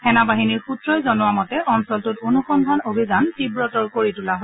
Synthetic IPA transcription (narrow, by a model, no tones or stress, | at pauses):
hɛnabaɦiniɹxutɹɔjzɔnʊwamɔtɛʔɔnsɔltʊtonuxɔndʱanobʱizantibɹɔtɔɹkoɹitulaɦo